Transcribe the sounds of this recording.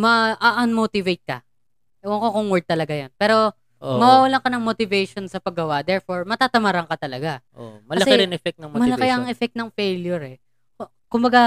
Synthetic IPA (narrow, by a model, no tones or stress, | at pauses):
mɐʔɐʔɐnmot̪ɪvejt̪̚kɐ | ʔɪwɐŋkokoŋwɛɹd̚t̪ːɐlɐɡajonpɛːɾo̞ | ʔomɐwawɐlaŋkɐnɐŋmot̪ɪvɛjʃonsɐpɐɡɐwaʔd̪ɛɹfo̞ɹmɐt̪aːt̪ɐmaːɾɐŋkɐt̪ɐlɐɡaʔomɐɐɐsɛɪɾɪnʔɛfɛk̚t̪nɐŋmmɐlɐkɛʔɐŋʔɛfɛk̚t̪nɐŋfejljoɾɛ | ko | kʊmbɐɡa